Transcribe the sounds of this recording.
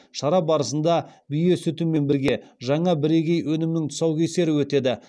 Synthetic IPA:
ʃɑɾɑbɑɾəsənd̪ɑbʏje̞sʏt̪ume̞nbɪɾɡʲe̞ʒɑɴɑbɪɾe̞kʲe̞jwɵnɪmnɪŋt̪ʰʊ̥sɑwkʲʰese̞ɾɪwɵt̪e̞d̪ɪ

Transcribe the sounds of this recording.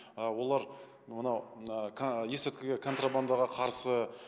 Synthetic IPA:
əwo̞lˠɑɾ | mənɑwʰ | jesɪt̪kʲɪɡʲekʰo̞nt̪raband̪ɑʁɑqʰɑɾsə

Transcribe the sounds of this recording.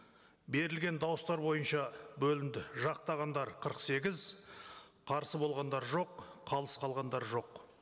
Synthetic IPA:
be̞ɾɪlɡʲe̞nd̪ɑwʊst̪ɑɾbo̞jənʃɑbɵlɪnd̪ɪʒɑq̚t̪ɑʁɑnd̪ɑɾqʰəɾəqse̞ɡʲɪz | qʰɑɾsəbo̞lˠʁɑnd̪ɑɾʒo̞qːʰɑlˠəsqʰɑlˠʁɑnd̪ɑɾʒo̞q

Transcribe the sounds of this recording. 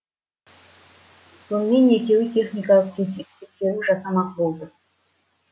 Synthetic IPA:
sunːinekʲʰewit̪ʲʰeχnʲikalˠəq̚t̪ʰest̪ʰekseɾuʐasamɑqbolˠd̪ə

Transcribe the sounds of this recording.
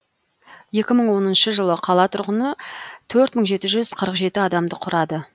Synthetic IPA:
je̞kʲɪməɴwo̞nənʃəʒəlˠəqʰɑlˠɑt̪ʰʊɾʁənət̪ʰɵɾt̪məɴʒe̞t̪ɪʒʏz̥qʰəɾəqʒe̞t̪ɪɑd̪ɑmd̪əqʰʊɾɑd̪ə

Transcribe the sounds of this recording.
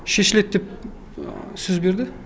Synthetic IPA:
ʃeʃlʲet̪̚d̪ep̚ | søzbeɾd̪ɪ

